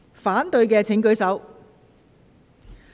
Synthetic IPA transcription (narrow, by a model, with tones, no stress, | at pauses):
faː˨˥nt̪ɵ˧ɥkɛː˧t͡sʰɪ˨˥ŋkɵ˨˥ɥsɐ˨˥w